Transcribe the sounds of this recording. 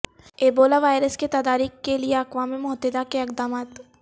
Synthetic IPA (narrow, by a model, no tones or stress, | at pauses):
eːboːlaʋaːjɪɾəsket̪ɐd̪aːɾiːkkːelieɐkʋaːmimʊɦəd̪ɪd̪akeɪq̚d̪aːmaːt̪